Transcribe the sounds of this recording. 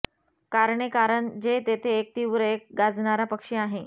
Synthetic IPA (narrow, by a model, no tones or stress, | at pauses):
kaɾɳekaɾəɳd͡ʑet̪et̪ʰeːk̚t̪iʋɾek̚ɡad͡zɳaɾapəkʂiaɦe